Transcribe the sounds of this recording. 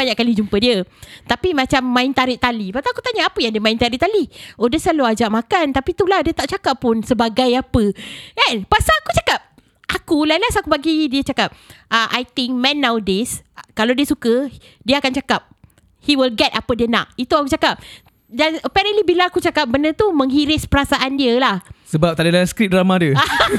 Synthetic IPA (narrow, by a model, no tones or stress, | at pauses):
aɲaʔkalid͡ʒumpədiət̪apimãt͡ʃamːãɪnt̪aɾiʔt̪alibaʔt̪aakut̪aɲaːpəjãdiəmaɪnt̪aɾɪʔt̪aliodəsaload͡ʒaʔmãkant̪apit̪ulahdiət̪aʔ̚t͡ʃakapːʊnsəbaɡajapəɛnpasaakut͡ʃḁkap̚ | ʔakulalasakubaɡidiət͡ʃakap̚aʔa̰jt̪ɪŋk̚mɛ̃nːawdɪskalawdiəsukə | diəakant͡ʃakap̚ | hiwilɡɛt̚apədiəna̰ʔit̪uakut͡ʃakap̚ | danəpɛɾənʔlibilaakut͡ʃakap̚bənət̪umə̃ŋɦiɾɪspəɾasaʔandiəlahsəbap̚t̪aʔdilaskɾit̪̚dɾamãdiəa